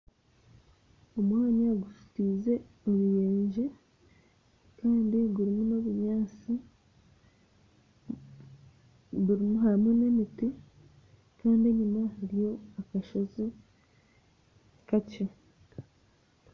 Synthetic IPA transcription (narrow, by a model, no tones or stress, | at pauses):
omwaːɲaɡusu̥tiːze̞ | oβujeːɲɟe̞ | kaːndiɡuɾimuno̞βuɲaːt͡si | ɡuɾimuɦamune̞miti | kaːndie̞ɲumahaɾijo̞akaʃozi | kace̞